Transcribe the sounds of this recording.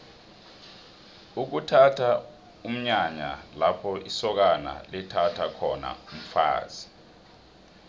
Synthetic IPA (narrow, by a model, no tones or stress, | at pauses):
uk̬utʰatʰa | um̩ɲaɲa̰lapʰɔisɔk̬ana̰lɛtʰatʰakʰɔna̰um̩fa̰ːz̥i̥